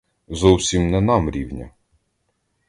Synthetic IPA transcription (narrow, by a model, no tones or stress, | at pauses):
zɔwsʲimnɛnɑmɾʲiwnʲɐ̰